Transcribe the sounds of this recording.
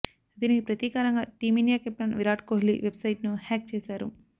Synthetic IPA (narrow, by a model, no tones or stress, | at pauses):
d̪iːnikipɾɐt̪iːkaːɾɐŋɡaːt̪iːminjaːkep̚ʈɐnʋiɾaːʈkoːɦlḭʋebsɐjʈnuhɛːk̚t͡ʃɛːsaːɾu